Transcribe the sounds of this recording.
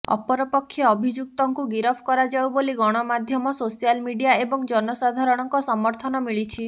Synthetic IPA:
ɔ̰pɔɾɔpɔkʰːjɔːbʱid͡ʒuk̚t̪ɔŋkuɡiɾɔpʰkɔɾad͡ʒawboliɡɔɽ̃ɔmad̪ʱjɔmɔsosijalmiɖijaebɔŋd͡ʒɔnɔsad̪ʱaɾɔɽ̃ɔŋkɔsɔmɔɾt̪ʰɔnɔmiɭit͡ʃʰi

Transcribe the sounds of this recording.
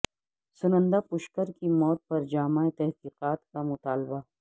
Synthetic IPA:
sʊnə̃nd̪apʊʃkəɾkimɔːt̪̚pɐɾd͡ʒaːmaːet̪ɛɦqiːqaːt̪kamʊt̪aːlba

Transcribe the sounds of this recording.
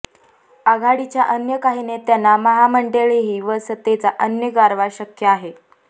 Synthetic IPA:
aɡʱaɽit͡ɕjaʔənjəkaɦinet̪janːaməɦaməɳɖeɭeɦiːʋəsət̪ːet͡saʔənjəɡaɾʋaɕəkjəaɦe

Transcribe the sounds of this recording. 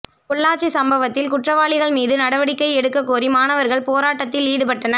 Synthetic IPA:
kʊɭːaːt͡ʃːisɐmbɐʋɐt̪ːɪlkʊʈrɐʋaːɭɪɣɐɭmiːðɯnɐɽɐʋɐɽɪkːɐɪɛɽɯkːɐkːuːrimaːnɐʋɐɾɣɐɭpoːɾaːʈːɐt̪ːɪliːɽɯpɐʈːɐnɐ

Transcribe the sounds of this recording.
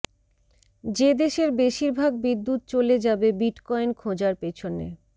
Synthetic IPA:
d͡ʑed̪eʃeɾbeʃiɾbʱaɡbid̪ːut̪̚t͡ɕoled͡ʑabebiʈkɔjnkʰod͡ʑaɾpet͡ɕʰonḛ

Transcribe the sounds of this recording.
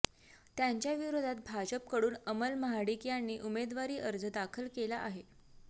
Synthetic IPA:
t̪jaɲt͡ɕjaʋiɾod̪ʱat̪̚bʱad͡ʑəp̚kəɽuːnəməlməɦaɽikjanːiːʔumed̪ʋaɾiːʔəɾd͡zəd̪akʰəlkelaʔaɦe

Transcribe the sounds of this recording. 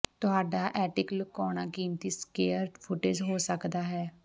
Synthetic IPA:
t̪ʊɦaːɖaːʔɛːʈɪkləkɔːɳ̃aːkiːmt̪iːskeːəɾʈpʰʊʈed͡ʒɦoːsəkd̪aːɦɛː

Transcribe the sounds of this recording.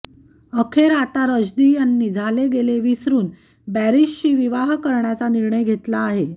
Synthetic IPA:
əkʰeɾat̪aɾəd͡ʑd̪iːjanːid͡zʱaleɡeleʋisɾuːn | bæɾiɕt͡ɕiːʋiʋaɦkəɾɳjat͡saniɾɳəjɡʱet̪laːɦe

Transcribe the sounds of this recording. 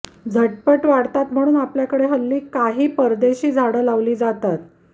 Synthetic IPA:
d͡zʱəʈ̚pəʈʋaɽt̪at̪m̤əɽ̃uːnapljakəɽeɦəlːiːkaɦiːpəɾd̪eɕiːd͡zʱaɽəlaʋliːd͡zat̪at̪

